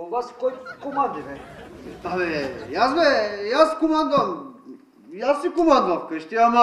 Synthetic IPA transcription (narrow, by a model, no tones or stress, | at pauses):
ɔvaskojkumand̪inɛ | avɛjasbɛjaskumand̪am | jasikumand̪afkəʃt̪iama